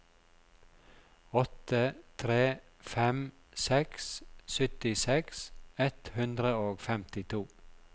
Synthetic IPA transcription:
ɔt̪ət̪ʰɾeː | fɛm | sɛkssʏt̪ɪsɛksɛt̪hʉnd̪ɾəoːɡfɛmt̪ɪt̪ʰuː

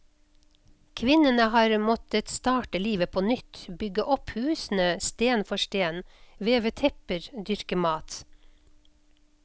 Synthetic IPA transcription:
kʰʋɪnənəhɑːɾmɔt̪ət̪st̪ɑːʈəliːʋəpʰoːnʏt̪bʏɡəʔɔphʉːsn̩əst̪eːnfɔʃʈeːnʋeːʋət̪ʰɛpəɾd̪ʏɾkəmɑːt̪

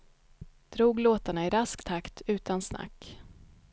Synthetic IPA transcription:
d̪̥ɾuːɡloːt̪aɳaɪɾaskt̪ʰakt̪ʰʉ̟ːt̪ʰansna̰kː

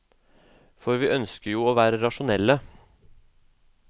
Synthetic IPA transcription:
fɔɾʋiːʔœnskəɾjuːoːʋæːɾəɾɑʂʊnɛlːə

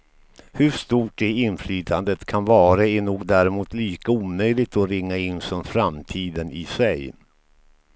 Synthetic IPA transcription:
hɵʂt̪uːʈ̚ɖɛɪnflyːt̪ʰand̪ət̪kʰanvɑːɾaæɳuːɡd̪æɾɛmuːt̪liːkauːmœjlɪɡ̚t̪ɔɾɪŋːaɪnːsɔmfɾamt̪ʰiːd̪ənɪsɛj

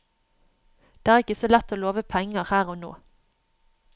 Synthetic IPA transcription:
d̪̥eːæːʁɪkəsoːlɛt̪oːloːʋəpʰɛŋəʁhæːʁoːno̰ː

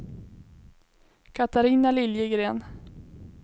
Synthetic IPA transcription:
kʰat̪aɾiːnalɪljəɡɾeːn

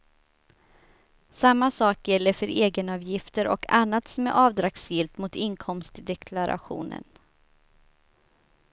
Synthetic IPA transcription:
samːasɑːkjɛlːəɾfœɾʔeːɡənɑːvjɪft̪əɾɔ̰kʰa̰nːat̪sɔmɛʔɑːvd̪ɾaksjɪlt̪mʊt̪ɪnkʰɔmst̪d̪ɛkʰlaɾʔa̰ɧṵːnə̰n

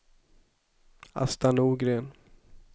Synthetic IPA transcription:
a̰st̪anuːɡɾeːn

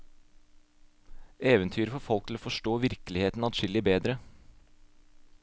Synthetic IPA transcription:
eːʋənt̪ʰyːɾəfɔɾfɔlkt̪ʰl̩oːfɔʂʈoːʋɪɾkəlɪheːt̪n̩ɑt̪ʃɪlɪbeːd̪ɾə

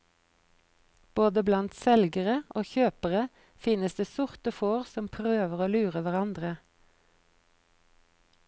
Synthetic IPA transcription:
b̥oːd̪əblɑnt̪sɛlɡəʁəʔoːçøːpəʁə | fɪnəsd̪eːsʊʁt̪əfoːʁsɔmpʰʁøːʋəʁoːlʉːʁəʋæʁɑnd̪ʁə

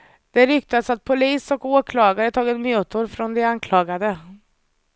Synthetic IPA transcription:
d̪̥ɛɾʏk̚t̪ad̪sat̪̚pʰʊliːsɔkoːkʰlɑːɡaɾət̪ʰɑːɡɪt̪mjʉːt̪ʊɾfɾɔnd̪ɛankʰlɑːɡad̪ə

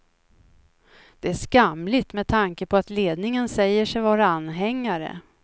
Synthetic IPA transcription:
d̪̥ɛæʂkamlɪt̪mɛd̪t̪ʰaŋkəpʰɔat̪leːd̪nɪŋənsɛjːəʂɛjvɑːɾaanːɦɛŋːaɾə̰

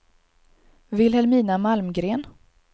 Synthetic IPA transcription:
vɪlhɛlmiːnamalmɡɾeːn

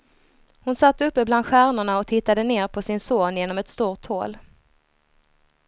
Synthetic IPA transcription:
hʊnsat̪ːɵpːəbland̪ɧæːɾɳʊɳaɔt̪ʰɪt̪ːad̪əneːɾpʰɔsɪnsoːnjeːnɔmɛt̪st̪uːt̪hoːl

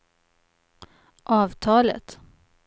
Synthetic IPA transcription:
ʔɑːʋt̪ʰɑːlə̰t̪

